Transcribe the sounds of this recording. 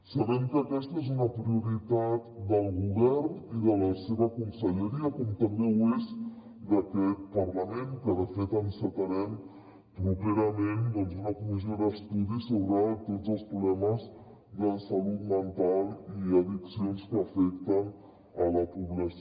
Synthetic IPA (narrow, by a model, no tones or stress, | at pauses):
səβɛmkəːkɛst̪əezunəpɾiuɾit̪at̪d̪əlˠɣuβɛrniðələseβəkunsəʎəɾiəkɔmt̪əmbewez | d̪əkɛt̪̚pəɾləmenkəðəfet̪ənsət̪əɾɛm | pɾupeɾəmend̪ɔnzunəkumizioðəst̪uðisoβɾət̪ozəlˠspɾulɛməz | d̪əsəlut̪mənt̪alˠiəðiksionskəːfɛk̚t̪ən | ələpuβlɛs